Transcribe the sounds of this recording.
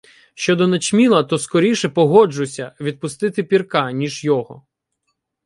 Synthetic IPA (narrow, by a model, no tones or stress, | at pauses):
ʃt͡ʃɔd̪ɔnɐt͡ʃmʲilˠɐt̪ɔskɔɾʲiʃɛpɔɦɔd͡ʒʊsʲɐʋʲid̪̚pʊst̪ɪt̪ɪpʲirkɑnʲiʒjɔɦɔ̰